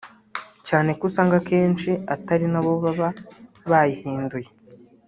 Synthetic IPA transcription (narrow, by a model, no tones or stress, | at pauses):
caːne̞kusaːŋɡakeːnt͡ʃiataɾinaβo̞βaβa | βajihiːnduje̞